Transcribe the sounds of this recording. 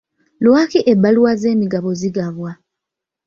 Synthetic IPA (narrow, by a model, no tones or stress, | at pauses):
lwaːkiʔebːaluwaze̞ːmiɡaβo̞ziɡaβwa